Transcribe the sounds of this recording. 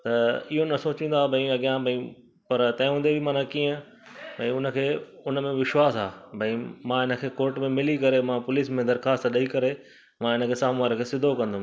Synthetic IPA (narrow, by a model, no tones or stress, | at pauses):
t̪ɐɪɦonɐsoːt͡ɕĩːnd̪aːbʱɐ̃ĩɐɠjãbʱɐ̃ĩ | pɐɾt̪ɐ̃ːɦũːnd̪ebʱimaːnãkiːə̃ | bʱɐ̃ĩʊnə̆kʰeːʊnə̆mẽʋɪʃwaːsaːbʱɐ̃ĩmãɪnə̆kʰeːkoːɾʈmẽmɪlikɐɾemãpʊliːsmẽd̪ɐɾxaːst̪ɗɐikɐɾe | mãɪnəkʰeːsaːmʋaːɾəkʰeːsɪd̪ʱokɐ̃nd̪o